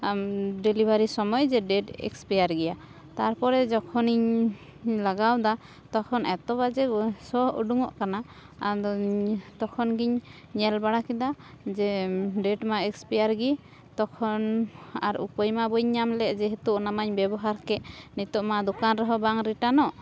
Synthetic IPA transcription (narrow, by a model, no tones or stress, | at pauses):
ɖilibʱaɾisɔmɔjd͡ʒɛɖɛʈɛ̰kspijaɾɡɛja | t̪aɾpɔɾɛd͡ʒɔkʰɔniɲ | laɡawd̪a | t̪ɔkʰɔnɛt̪ɔβad͡ʒɛsɔɦṵɖuŋɔ̰ʔkanaː | dɔt̪ɔkʰɔnɡiɲ | ɲɛlbaɽakid̪a | d͡ʒɛɖɛʈmaɛkspijaɾɡi | t̪ɔkʰɔnaɾṵpɔjmabɔɲɲamlɛʔd͡ʒɛɦɛt̪uʔnamaɲbɛbɔɦaɾkɛʔnit̪ɔʔmad̪ɔkanɾɔɦɔbaŋɾiʈanɔʔ